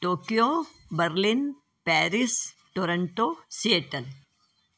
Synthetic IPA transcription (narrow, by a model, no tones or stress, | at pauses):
ʈoːkijo | bɐɾlin | pɛːɾis | ʈoɾɐɳʈosieʈɐn